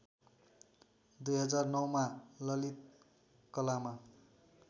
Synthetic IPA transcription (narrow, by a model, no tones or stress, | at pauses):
d̪ujɦʌd͡zarnʌwmalʌlit̪̚ | kʌlama